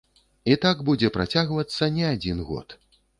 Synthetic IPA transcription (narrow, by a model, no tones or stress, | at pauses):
it̪aɡbud͡zʲɛpɾat͡sʲaɣvɐt̪sːɐnʲɛad͡zʲinɣɔ̰t̪